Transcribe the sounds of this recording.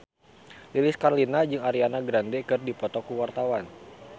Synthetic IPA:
lilɪskarlinad͡ʒɨŋaɾianaɡɾandɛkɨrdipɔt̪ɔkuwart̪awan

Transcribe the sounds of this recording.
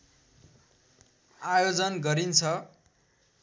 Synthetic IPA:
ajod͡zʌnɡʌɾint͡sʰʌ

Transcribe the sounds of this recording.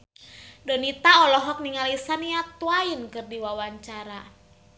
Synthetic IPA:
dənit̪aɔlɔɦɔk̚niŋalisaniat̪uainkɨrdiwawaɲt͡ʃaɾa

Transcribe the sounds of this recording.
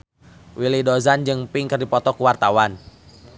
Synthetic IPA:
wilidɔzand͡ʒɨŋpɪŋkɨrdipɔt̪ɔkuwart̪awan

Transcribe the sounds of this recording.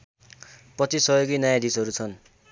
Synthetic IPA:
prʌt͡sisʌjoɡijnajãd̪isʌɾut͡sʰʌn

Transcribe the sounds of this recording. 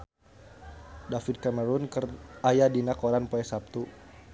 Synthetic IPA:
dafid̚kaməɾunkərajadinakɔɾanpoɛsap̚t̪u

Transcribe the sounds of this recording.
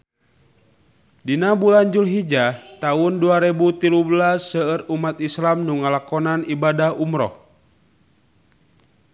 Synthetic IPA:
dinabulaɲd͡ʒulɦid͡ʒat̪aʊnduaɾɛbut̪ilublasːəərumat̪islamnuŋalakɔnanibadahumɾɔ̰h

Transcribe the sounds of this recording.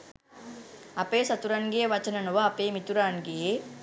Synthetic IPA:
ɐpeːsɐt̪uɾanɡejeʋɐt͡ʃɐnɐnuʋɐːpeːmit̪uɾaːŋɡeje

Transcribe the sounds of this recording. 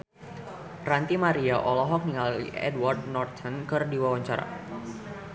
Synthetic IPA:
rant̪imaɾiaʔɔlɔɦɔk̚niŋalḭɛ̰dward̪̚nɔrt̪ənkɨrdiwawaɲt͡ʃaɾa̰

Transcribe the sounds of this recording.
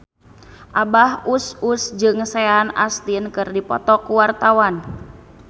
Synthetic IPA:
ʔabahususd͡ʒɨŋsɛana̰st̪inkɨrdipɔ̰t̪ɔkuwart̪awan

